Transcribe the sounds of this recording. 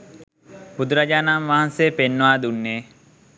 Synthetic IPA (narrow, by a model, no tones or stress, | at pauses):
pud̪uɾad͡ʒaːnamʋaɦanseːpenːəʋaːd̪unːeː